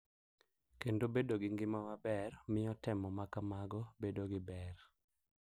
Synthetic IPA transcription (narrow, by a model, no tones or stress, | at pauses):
kendobedoɡɪŋɡɪmamabɛrmɪɔtɛmɔmakamaɡɔbedoɡɪbɛr